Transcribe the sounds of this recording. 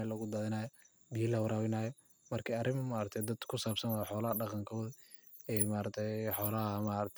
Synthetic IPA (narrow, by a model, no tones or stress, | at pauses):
lɐɣʊd̪ɐðɪnaːjɔ | bijɪlɐwɑɾaːwɪnaːjɔ | mɐrkʰɐɐɾɪmɐmaːɾɐt̪ʰɛjd̪ɐd̪kʰʊsaːbsɐnaħɔːlɐɐɖɑqɑŋkʰɔːð | ɛmaːɾɐt̪ʰɛjħɔːlɐɦɐmaːɾɐt̪ʰ